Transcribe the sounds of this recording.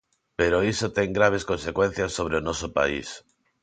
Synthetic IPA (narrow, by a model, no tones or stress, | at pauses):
peɾoisot̪eŋɡɾaβ̞eskonsekwẽn̟θjasːoβ̞ɾeonɔsopa̰ḭs